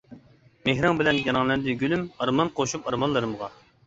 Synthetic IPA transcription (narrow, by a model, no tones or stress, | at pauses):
mehɾɑŋbɪlɛnjɑnɑŋlˠɛnd̪ɨɡʲylymɑɾmɑnqʰoʃupɑɾmɑnlˠɨɾɨmʁɑ